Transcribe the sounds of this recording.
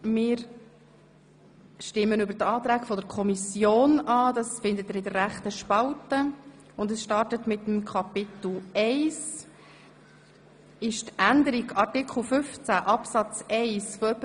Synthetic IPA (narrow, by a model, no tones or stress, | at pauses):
mɪːɾ | ʃtɪmːənʏbəɾtɑːt̪ɾæːkfɔdəɾkʰɔmisjoːnɑːd̪ɑsfɪnd̪ət̪ɪɾɪdərɾæχt̪əʃpɑltə | ʊndəsʃtɑɾtətmɪt̪əmkʰɑpɪt̪l̩ˠɛɪs | ɪʃtænd̪əɾiɡɑrtɪkχl̩fʏft͡sæʔɑpsɑt͡sɛɪsfɔœpə